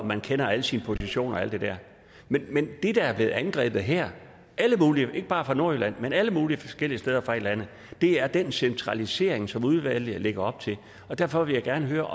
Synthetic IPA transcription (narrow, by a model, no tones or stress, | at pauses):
mænkʰenɐæləsinəpʰo̝siɕo̝̰ːnɒ̽æl̰d̥e̝d̥æɐ̰ | menmend̥e̝d̥æ̈æɐb̥le̝ð̩ˠænɡ̥ʁɛ̰ːb̥ð̩ˠɦæɐ̰ | ʔæləmuːliəʔe̝ɡ̥əb̥ɑ̈ːfʁɑ̈no̝ɐylænmenæləmuːliəfɒsɡ̥el̰iəsd̥eð̞ˠɐfʁɑ̈e̝d̥lænð̩ˠ | d̥e̝æɐd̥ensent͡sʰʁɑ̈lise̝ɐeŋsɒ̽muð̞ˠʋæl̰jəle̝ɡ̥ɐɒ̽b̥̚t͡sʰe̝l | ɒ̽d̥æɐfɒ̽ʋe̝ljaɪɡ̥æɐnəɦøːɐ